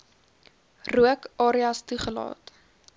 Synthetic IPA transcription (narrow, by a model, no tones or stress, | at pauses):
ruəkʔɑːɾiɐstuχəlɑ̰ːt